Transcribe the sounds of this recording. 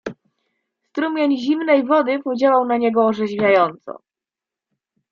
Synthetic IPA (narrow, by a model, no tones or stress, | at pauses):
st̪ɾumʲjeɲʑimnɛjvɔd̪ɘpud͡ʑawawnaɲɛɡɔːʐɛʑvʲjajɔnt̪sɔ̰